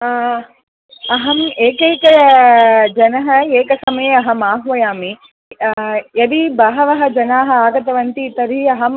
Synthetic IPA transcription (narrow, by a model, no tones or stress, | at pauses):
ɐɦɐmeːkɐjkɐ | d͡ʒɐnɐɦɐeːkɐsɐmeːɐɦɐmaːɦʋɐjaːmi | jɐd̪ibɐɦɐʋɐɦɐ̆d͡ʒɐnaːɦɐ̆aːɡɐt̪ɐʋɐnt̪iːt̪ɐɾɦiɐɦɐm